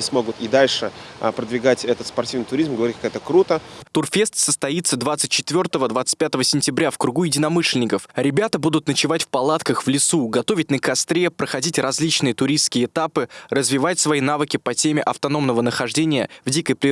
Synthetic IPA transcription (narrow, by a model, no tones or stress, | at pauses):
ɪsmo̞ɡʊt̪ɪd̪alʲʂɨpɾəd̪vʲɪɡatʲɛt̪ət̪spɐrtʲivnɨjt̪ʊɾʲizmɡəvɐɾʲit̚ʲkakɛt̪əkɾut̪ət̪ʊrfʲest̪səst̪ɐit̪səd̪vat̪sɨt̚ʲt͡ɕːɪ̥t̪vʲo̞rt̪əvəd̪vat̪sɨ̥t̚ʲpʲat̪əvəsʲɪnʲtʲɪbɾʲafkɾʊɡujɪdʲɪnɐmɨʂlʲɪnʲɪkəfɾʲɪbʲat̪əbud̪ʊt̪nət͡ɕɪvatʲfpɐlˠat̪kəxvlʲɪsuɡɐt̪o̞vʲɪt̚ʲnəkɐst̪ɾʲe̞pɾəxɐdʲitʲrɐzʲlʲit͡ɕnɨjət̪ʊɾʲist̪skʲɪjəːt̪apɨrəzvʲɪvatʲsvɐin̪avɨkʲɪpɐtʲemʲɪʔɐft̪ɐno̞mnəvənəxɐʐdʲenʲɪjəvdʲikəjpɾʲɪ